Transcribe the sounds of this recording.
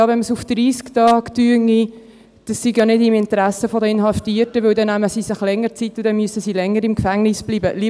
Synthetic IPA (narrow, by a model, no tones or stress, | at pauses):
ɑvɛnməsufd̥ɾiːsktɑːktyəŋːi | d̥ɑssiɡjɑnɪdɪmɪntɾæsəfodəɪnɦɑftiətəʋɵwdɛnːæməsisɪχlɛŋːəɾt͡sitːʊd̥ɛnmyəsəsilɛŋːəɾɪmkfæŋnɪsb̥liːbəli